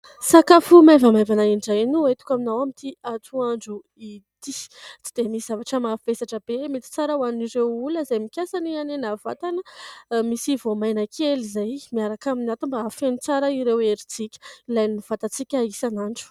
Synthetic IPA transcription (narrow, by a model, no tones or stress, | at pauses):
sakafumajvamajvanaiɳɖ͡ʐanuet̪u̥kʲaminawamit̪ʰiat͡s̪uaɳɖ͡ʐu | it̪it͡si̥d̪emisiz̥avaʈ͡ʂəmafesaʈ͡ʂəb̥emit̪i̥t͡saɾawaniniɾewuləzajmikʲasanianenava̰t̪anəmisivomajnakʰelizajmiaɾakaminat̪umbafenit͡saɾaiɾeweɾit͡sikʲə̥ilajniv̥at̪at͡sikʲaisanaɳɖ͡ʐu̥